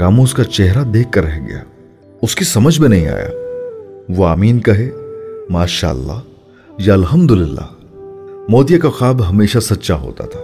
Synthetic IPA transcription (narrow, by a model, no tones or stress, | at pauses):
kaːmõʊskat͡ʃɛɦɾad̪eːkːɐɾːɛɦɡɐ̰ja̰ː | ʊskisɐməd͡ʒʱmẽnɐɦĩa̰ːja̰ː | ʋoaːmiːnkɐɦeːmaːʃa̰ːɐ̰lːa̰ːɦ | jɐɐlɦɐmd̪ʊlɪlːa̰ː | mɔːd̪ijakaxaːbɦɐmeːʃasɐtːʃaɦo̰ːt̪a̰t̪ʰḁː